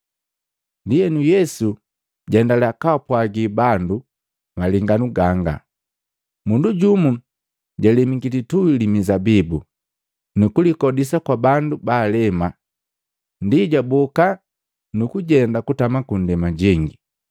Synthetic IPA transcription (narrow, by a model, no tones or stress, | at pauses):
ndijɛnujɛsu | ɟɛndalakapwaɡibandu | maliŋɡanuɡaŋɡa̰ | munduɟumu | ɟalɛmiɡilituilimizabibu | nukulikɔdis̬akwabandubaːlɛma | ndiɟabɔka | nukuɟɛndakutamakundɛmaɟiŋɡi